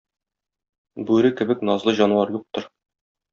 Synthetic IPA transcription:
bʉɾɘkɘ̆bɘknɒzlˠɤʑɒnwɑɾjuq̚t̪ɤɾ

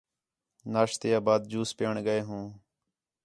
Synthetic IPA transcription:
naːʃt̪eːaːbaːd̪̚d͡ʒuːspeːɳɡəeːɦũː

